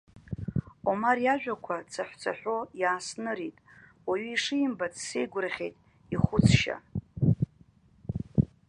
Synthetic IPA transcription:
omarjaʒᶣʷakʷʰat͡sʰaħʷᶣt͡sʷʰa̰ħʷᶣo̞jaːsnɨɾitʼwaɥiːʂɨjimbat͡ssejɡʷʊrχʲejtʼ | iχʷʊt͡sʰʃa̰

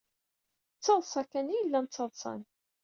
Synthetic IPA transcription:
t͡sːɑðˤsˤɑkːænijəlːænt͡sːɑðˤsˤɑ̰n

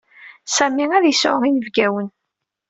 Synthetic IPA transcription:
sæmiæðjəsʊʁinəvɡæwən

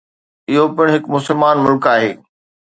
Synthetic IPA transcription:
ɪɦopɪɽ̃ɦɪkmʊsəlmaːnmʊlkaːɦeː

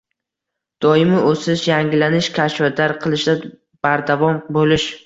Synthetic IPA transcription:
d̪̥ɒjɪmɪʔosɪʃjaŋʲɪlanɪʃkʲʰaʃvad̪aɾqʰɨlˠɪʃd̪a | b̥aɾd̪avɒmbolɪʃ

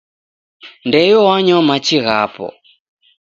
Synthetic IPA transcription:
ndɛjɔwaɲɔmat͡ʃiɣapɔ̰

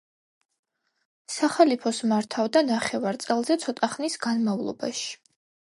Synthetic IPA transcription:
saχalipʰɔsmaɾt̪ʰavd̪anaχɛvaɾt̪sʼɛlˠzɛt̪sʰɔt̪ʼaχnisɡanmavlˠɔ̰ba̰ʃi̥

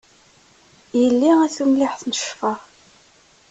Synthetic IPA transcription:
jəlːiæθumlɪħθnəʃfə

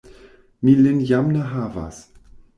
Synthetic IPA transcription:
nilɪnjamnəɦaːva̰s

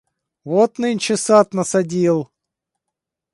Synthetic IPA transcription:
vot̪nɨnʲt͡ʃɪsat̪nəsɐdʲilˠ

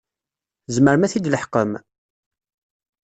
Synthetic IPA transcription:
zməɾmæθid̪ləħqəm

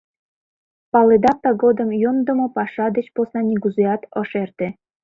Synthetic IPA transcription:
pɑled̪ɑp̚t̪ɑɡod̪ə̆mjond̪ə̆mopɑʃɑd̪et͡ɕposnɑnʲiɡuzejɑt̪ɤʃert̪ĕ

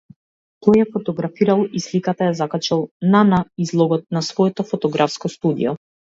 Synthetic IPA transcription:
t̪ɔjjafɔt̪ɔɡɾafiɾalˠislikat̪ajazakat͡ʃɛlˠnanaizlˠɔɡɔt̪̚nasvɔɛt̪ɔfɔt̪ɔɡɾafskɔst̪ud̪ḭjɔ

